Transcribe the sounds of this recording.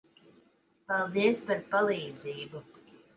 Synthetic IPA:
palˠd̪iəspaɾpalˠiːd̪ziːbu

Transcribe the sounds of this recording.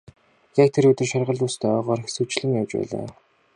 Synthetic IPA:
jak̚t̪ʰeɾʊt̪ɘ̆rʃarʁə̆ɮuːst̪ʰœɔːʁɔːɾxsut͡ɕɮɘ̆ŋjawt͡ɕpæ̰ːɮa̰ː

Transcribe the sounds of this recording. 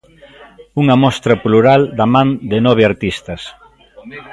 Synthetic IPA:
uŋɐmɔst̪ɾɐpluɾald̪ɐmãnd̪ɪnɔβ̞eaɾt̪ist̪ɐs

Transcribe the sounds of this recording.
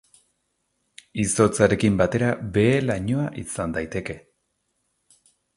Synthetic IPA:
iso̞t͡saɾe̞kimbat̪e̞ɾabe̞laɲo̞aʔisand̪ajt̪e̞ke̞

